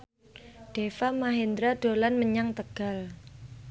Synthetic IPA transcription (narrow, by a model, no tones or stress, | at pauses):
ɖ̥efamaɦend̪ɾaɖ̥o̤lanməɲaŋt̪əɡ̥a̤l